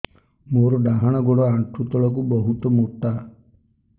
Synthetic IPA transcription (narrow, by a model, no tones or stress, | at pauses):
moɾɔɖaɦaɽ̃ɔɡoɽɔaɳʈʰut̪ɔɭɔk̬ubɔɦut̪ɔmot̪a